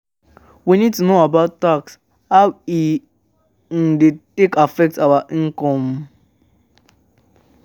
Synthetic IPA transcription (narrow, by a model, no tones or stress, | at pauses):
winid̚tunoabaʊttaks | hawi | n̩dɪtekafɛk̚tabaŋ̩kɔm̩